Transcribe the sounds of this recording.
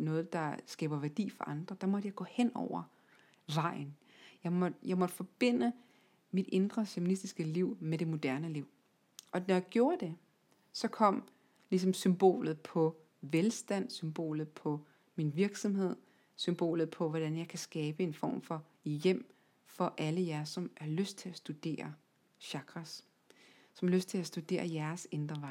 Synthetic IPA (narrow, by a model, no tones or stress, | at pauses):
nɔ̽ːð̞̩ˠd̥ɑ̈sɡ̥ɛ̰ːb̥ɐʋæɐd̥ḭːfɒ̽ʔɑ̈nd̥ʁɐd̥ɑ̈mɒd̥əjɑ̈ɪɡɔ̰̽ːhen̰ɒʊ̰ɐ | ʋɑ̈ɪ̰n̩ | jɑ̈ɪmɒ̥jɑ̈ɪmɒ̽d̥əfɒ̽b̥e̝n̰ə | mid̥e̝nd̥ʁɐfeminisd̥isɡ̥əliʊ̰meɾ̥e̝mo̝d̥æɐnəliʊ̰ | ʔɒ̽nɒjaɪɡ̥jo̝ːɐd̥e̝ | sɒ̽kʰɒ̽m̰ | lis̬ɒ̽msymb̥o̝̰ːlð̞̩ˠpʰɒ̽ | ʋelsd̥æn̰symb̥o̝̰ːlð̩ˠpʰɒ̽ | minʋiɐɡ̥sɒmɦe̝ð̞̰ˠ | symb̥o̝̰ːlð̩ˠpʰɒ̽ʋɒd̥ænjɑ̈ɪkʰæsɡ̥ɛːb̥əe̝nfɒ̰ːmfɒ̽ | jem̰ | fɒ̽ʔæləjæɐsɒ̽mʔæɐløsd̥̚t͡sʰe̝læsd̥ud̥e̝̰ːɐ | ɕɑ̈ɡ̥ʁas | sɒmæløsd̥t͡sʰe̝læsd̥ud̥e̝̰ːɐjæɐsend̥ʁɐʋɑ̈ɪ